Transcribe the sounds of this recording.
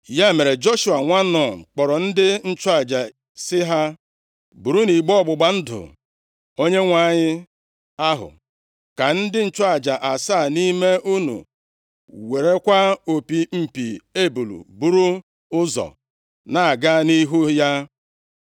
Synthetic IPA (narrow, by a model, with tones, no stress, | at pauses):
ja˦e˨me˨ɾe˨d͡ʒo˦ʃu˨a˨ŋʷa˦nɔ˨k͡pɔ˨ɾɔ˨n̩˦dɪ˦n̩˦t͡ʃʊ˦a˨d͡ʒa˨ | sɪ˦ɦa˦ | bu˨ɾu˦ni˨ɡ͡bɔ˦˨ɡ͡bʊ˨ɡ͡ba˨n̩˦dʊ̰˨ | o˦ɲe˦ŋʷa˨˦˨ɲɪ˦ | a˦ɦʊ̰˨ | ka˨n̩˦dɪ˦n̩˦t͡ʃʊ˦a˨d͡ʒa˨ʔa˨saː˦˨ni˦me˦ʔu˦nṵ˨ | we˨ɾe˦kʷa˦o˨pi˨m̩˨pḭ˨e˦bu˨lṵ˨bu˨ɾu˦ | ʊ˦zɔ̰˨ | na˨a˨ɡa˦ni˦ɦu˦ja˦